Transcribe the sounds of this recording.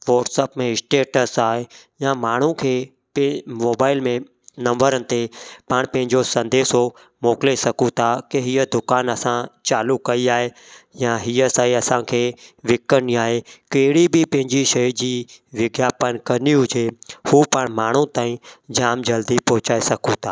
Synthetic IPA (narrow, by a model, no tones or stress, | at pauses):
ʋɔːʈsəpmẽɪsʈeːʈəsaːɦejãmaːɳ̤ũkʰeː | pmoːbaːɪlmẽ | nɐ̃mbəɾənɪ̆t̪epəɽ̃pɐ̃ɦɪ̃ɲd͡ʒosɐ̃nd̪eːso | moːklesɐkũt̪ʰakeɦiəd̪ʊkaːnɐsãt͡ʃaːlukɐiaːɦe | jãɦiəsaːiɐsãːkʰeːʋɪkːəniaːɦekeːɽibɪpɐ̃ɦɪ̃ɲd͡ʑiʃɐjd͡ʑiːʋɪɡjaːpənkɐniũd͡ʒʱehuːpəɳ̃maːɳ̤ũt̪ãːĩd͡ʑaːmd͡ʑɐld̪ipɔːɦʊt͡ɕaːesɐkũt̪ʰaː